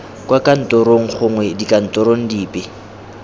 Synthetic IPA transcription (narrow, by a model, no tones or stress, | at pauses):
kʼwakʼan̩tʼɔɾoŋ̩χʊŋwɛdikʼan̩tʼɔɾoŋ̩diːpʼɪ